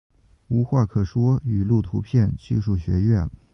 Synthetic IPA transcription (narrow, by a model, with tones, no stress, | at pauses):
u˧˥xwa˥˩kʰɤ˥˩ʂwɔ˥y˨˩lu˥˩t̪ʰu˧˥pʰjɛ˥˧nt͡ɕi˥˧ʂu˥˩ɕɥɛ̰˧˥ɥɛ˥˩n